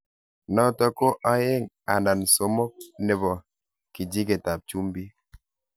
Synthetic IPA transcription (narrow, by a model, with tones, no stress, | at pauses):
nɔ˦tɔ˦ko˦ʔa˦je˦˨ŋ | a˨na˨n˨so˨˦mɔ˦k̚ne˨βɔ˨ | ki˨di˦k̬e˨ta˨p̚t͡ʃu˦m˦bi˦